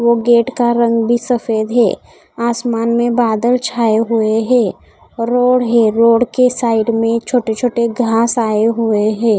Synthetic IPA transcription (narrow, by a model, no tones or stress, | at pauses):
ʋoɡeːʈkaɾə̃ŋɡbʱisɐfeːd̪ɦɛ̰ː | aːsmaːnmẽbaːd̪əlt͡ʃʰaːeɦueɦɛ̃ː | ɾoːɽɦɛɾoːɽkesaːɪɖmẽt͡ʃʰoːʈet͡ʃʰoːʈeɡʱaːsaːeɦueɦɛ̃ː